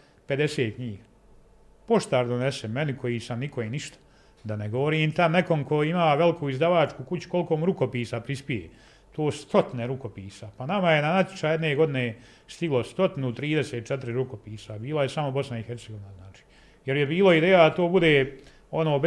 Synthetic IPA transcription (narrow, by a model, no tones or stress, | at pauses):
pe̞d̪e̞seːt̪̚kɲiːɡ | po̞ʃt̪aːɾd̪onesemenikʰo̞jiːsamnikoiniʃt̪ḁ | d̪aneɡo̞ʋoɾiːmt̪ane̞ko̞mko̞imaːʋe̞likʰuizd̪aʋaːt͡ʃkukut͡ɕu̥ko̞lˠiko̞muɾuko̞piːsapɾispijḛː | t̪oːst̪o̞t̪ineɾuko̞piːsapanamaje̞nanat̪ʲjo̥t͡ʃaːjed̪neːɡo̞d̪ineː | st̪iɡlˠost̪o̞t̪inut̪ɾiːd̪eseːt̪̚t͡ʃet̪ɪɾiɾuko̞piːsabiːlajesamobo̞snaixe̞ɾt̪seɡo̞ʋinaznaːt͡ʃi̥ː | je̞ɾjebiːloid̪eːjad̪at̪oːbud̪eː | o̞noːb